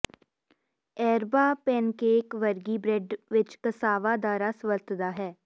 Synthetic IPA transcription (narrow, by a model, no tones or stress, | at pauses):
ɛːɾbaːpɛːnkeːkʋəɾɡibɾeːɖʋɪt͡ʃkəsaːʋad̪aːɾasʋəɾt̪d̪aɦɛː